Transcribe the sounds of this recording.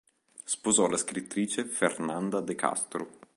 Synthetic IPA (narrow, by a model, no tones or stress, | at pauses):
spozɔlaskɾit̪ːɾiːt͡ʃefernand̪ad̪eka̰st̪ɾu